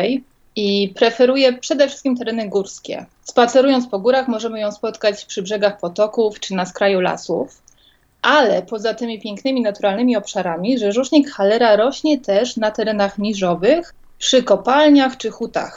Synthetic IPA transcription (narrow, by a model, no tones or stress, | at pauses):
j | ipɾɛfɛɾujɛpʂɛd̪ɛfʂɘst̪kʲimt̪ɛɾɛnɘɡuɾskʲɛ̰ | spat̪sɛɾujɔnt̪spɔɡuɾaxmɔʐɛmɘjɔ̃w̃spɔt̪kat͡ɕpʂɘbʐɛɡaxpɔt̪ɔkuft͡ʂɘnaskɾajula̰sṵf | ʔalɛpɔzat̪ɘmʲipʲjɛŋknɘmʲinat̪uɾalnɘmʲiɔpʂaɾamʲiʐɛʐuʂɲikxalɛɾaɾɔɕɲɛt̪ɛʂnat̪ɛɾɛnaxɲʲiʐɔvɘx | pʂɘkɔpalɲaxt͡ʂɘxut̪a̰x